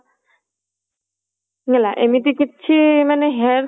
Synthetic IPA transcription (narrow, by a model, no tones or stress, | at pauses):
ŋɛlaʔemit̪̬ikitːɕʰimaneɦɛɾ